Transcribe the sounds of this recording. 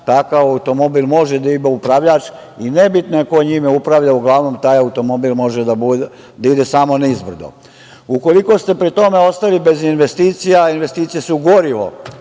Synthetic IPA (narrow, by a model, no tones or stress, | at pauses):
t̪akaʋaut̪o̞mo̞biːlˠmo̞ʒed̪aibaupɾaʋʎat͡ʃ | inebit̪noeko̞ɲimeupɾaʋʎauɡlˠaʋno̞mt̪aːjaut̪o̞mo̞biːlˠmo̞ʒed̪abu | d̪aid̪e̞saːmo̞nizbr̩d̪o̰ | uko̞liko̞st̪e̞pɾit̪o̞me̞o̞st̪alibe̞zinʋe̞st̪iːt̪sijainʋe̞st̪iːt̪sijesuuɡo̞ɾiʋo̞̰